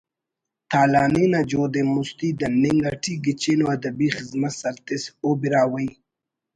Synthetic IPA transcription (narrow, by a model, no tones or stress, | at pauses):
t̪aːlɑːninad͡ʒod̪emʊst̪id̪anɪŋɡaʈʰiɡit͡ʃinoad̪abixɪzmat̪saɾt̪ɪsobiɾaːwəj